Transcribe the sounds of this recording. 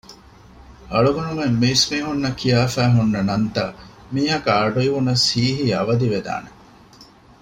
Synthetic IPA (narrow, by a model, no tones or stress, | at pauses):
ɐɭuɡunumemːiːsmiːɦunːɐkijaːfæːɦunːɐnɐnt̪ɐ̰ | miːɦɐkaːɖuiʋunɐsiːɦiɐʋɐd̪iʋed̪a̰ːne